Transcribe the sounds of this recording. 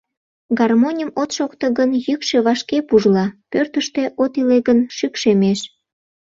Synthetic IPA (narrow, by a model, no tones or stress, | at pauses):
ɡɑrmonʲəmot̪ʃokt̪əɣənjykʃe̽βɑʃkepuʒlɑpørt̪əʃt̪e̽ʔot̪ileɣənʃykʃemeʃ